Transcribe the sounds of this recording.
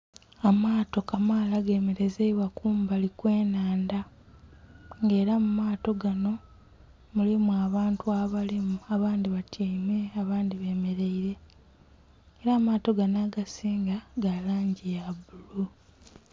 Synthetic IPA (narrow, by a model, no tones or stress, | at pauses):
amaːto̞kamaːlaɡe̞ːme̞ɾe̞zeiβwakuːmbalikwe̞ːnaːnda | ŋɡe̞ːɾamumaːto̞ɡano̞ | mulimuaβaːntuaβalimuaβaːndiβatʰeme̞aβaːndiβe̞ːme̞ɾe̞iɾe̞ | ɾaːmaːto̞ɡanaːɡasiːŋɡaɡalaːɲɟijaβulu